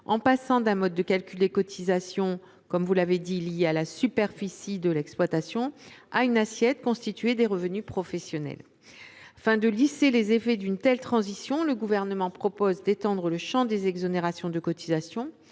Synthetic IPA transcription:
ɑ̰̃pasɑ̃d̪ɛ̃mɔd̪ːəkalkʲyld̪əkɔt̪ʰizasjɔ̃ | kɔmvulaved̪iljealasypɛʁfisid̪əlɛksplwat̪asjɔ̃aynasjɛt̪kɔ̃st̪it̪ɥed̪eʁəvənypχɔfɛsjɔnɛ̰l | afɛ̃d̪əliselezefɛd̪ynt̪ɛlt̪χɑ̃zisjɔ̃ləɡuvɛʁnəmɑ̃pχɔpozd̪et̪ɑ̃d̪ʁələʃɑ̃d̪ezɛɡzɔneʁasjɔ̃d̪əkɔt̪ʰizasjɔ̃

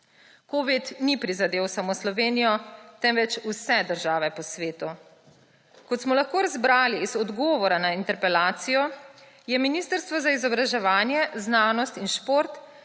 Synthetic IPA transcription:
koːʋit̪nipɾizad̪eːwsamoːslɔʋeːnijɔt̪ɛmʋɛt͡ʃusɛd̪əɾʒaːʋɛpɔsʋeːt̪u | kɔt̪smɔlaxkoːɾazbɾaːliːzɔd̪ɡɔːʋɔɾanaint̪ɛɾpɛlaːt̪sijɔ | jɛminiːst̪əɾst̪ʋɔzaizɔbɾaʒɛʋaːnjɛznaːnɔst̪inʃpoɾt̪

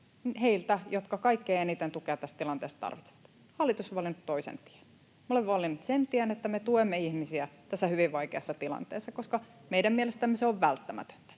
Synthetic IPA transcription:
heilt̪æjot̪kɑkɑikːeːenit̪ent̪ukeɑt̪t̪ːæst̪t̪ilɑnt̪eːst̪t̪ɑ̰rʋit̪se̥ʋɑ̥t̪ | hɑlːˑit̪usoʋɑlːinut̪t̪ːoisḛnt̪i̥æn | meoleʋʋɑlːinut̪sent̪iænet̪ːæmet̪uemːeihmisiæt̪æsːæhyʋiʋʋɑikeɑsːɑt̪ilɑ̰nt̪ḛːsːɑkoskɑ | meidæmmielest̪æmːeseoʋʋælt̪ːæmæ̰t̪ø̥nt̪æ̥

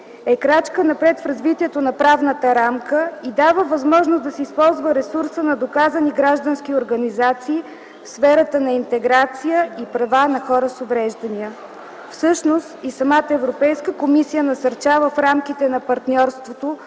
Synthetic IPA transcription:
ɛkɾat͡ʃkənɐpɾɛt̪fɾɐzvit̪iɛt̪onɐpɾavnət̪əɾamkəid̪avəvɐzmɔʒnosd̪ɐsɛispɔlˠzvəɾɛsuɾsənɐd̪okazəniɡɾaʒd̪ənskʲioɾɡɐnizat̪siː | fsfɛɾət̪ənɐint̪ɛɡɾat̪sijəipɾɐvanɐxɔɾəsovɾɛʒd̪ɐniə | fsɤʃnost̪isɐmat̪əɛvɾopɛjskəkomisijənɐsɐɾt͡ʃavəfɾamkit̪ɛnɐpɐɾt̪nʲɔɾst̪vot̪o

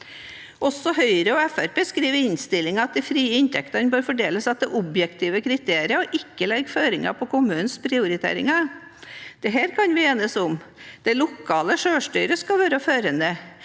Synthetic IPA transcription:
ʔɔsːɔɦœʏɾəɔɛfæɾpeːskɾiːʋəɪnst̪ɪlɪŋɑɑt̪̚d̪ɛfɾiːəɪnt̪ʰɛkt̪ɑnbøːɾfɔɖeːləsɑt̪̚d̪ɛʔɔbjɛkt̪ʰiːʋəkʰɾɪt̪ʰeːɾɪəɔʔɪkːəlɛɡːføːɾɪŋɑ̰pʰɔkʊmʉːnənspʰɾɪʊɾɪt̪ʰḛːɾɪ̰ŋɑ | d̪̥ɛɦeːɾkʰɑnʋɪeːnəsʊmd̪̥ɛlʊkʰːɑːləʂøːʂʈyʏɾəskɑlʋæːɾəføːɾənd̪ə

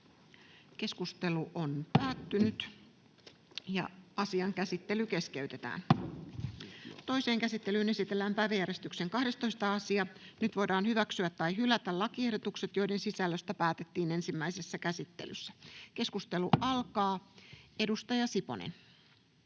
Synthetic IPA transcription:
ke̞skust̪e̞luʔonpæːt̪ːynyt̪ | jɑ̰ɑsiɑŋkæsit̪ːelyke̞ske̞yɥt̪e̞t̪æ̰ːn | t̪o̞ise̞ːŋkæsit̪ːe̞lyːne̞sit̪elːæːmpæiʋejæɾest̪ykseŋkɑhde̞st̪o̞ist̪ɑɑsiɑnyt̪ʋo̞jdɑːnhyʋæksyæt̪ːɑjɦylæt̪ælɑkie̞hdot̪ukset̪jo̞ide̞nsisælːøst̪æpæːt̪et̪ːiːne̞nsimːæise̞sːækæsit̪ːe̞̰ly̰sːæke̞skust̪e̞luɑlkɑːe̞dust̪ɑjɑsipo̰nḛn

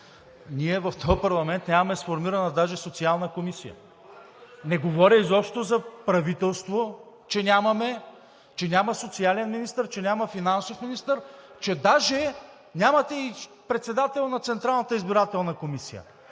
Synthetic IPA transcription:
nʲiɛvɐft̪ʰɔjpɐɾlˠɐmɛnt̪nʲamɐmɛsfoɾmiɾɐnɐd̪aʒɛsot̪sialˠnəkomisijə̰ | nɛɡovɔɾʲəizɔpʃt̪ozɐpɾɐvit̪ɛlˠst̪vo | t͡ʃɛnʲamɐmɛ | t͡ʃɛnʲamɐsot̪sialɛnminist̪əɾt͡ʃɛnʲaməfinansofminist̪əɾt͡ʃɛd̪aʒɛ | nʲamɐt̪ɛi | pɾɛt̪sɛd̪at̪ɛlˠnɐt̪sɛnt̪ɾalˠnət̪əizbiɾat̪ɛlˠnɐkomisijə̰

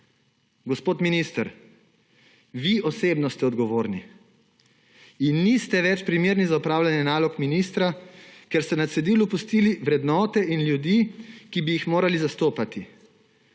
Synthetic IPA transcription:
ɡɔspoːt̪minist̪əɾ | ʋiʔɔseːbnɔst̪ɛɔd̪ɡɔʋoːɾni | inːist̪ɛʋɛt͡ʃpɾimeːɾnizaupɾaːwlʲjanjɛnaːlɔkminiːst̪ɾakɛɾst̪ɛnasɛd̪iːlupust̪iːliʋɾɛd̪nɔːt̪ɛʔinljud̪ikibijixmoːɾalizast̪oːpat̪i

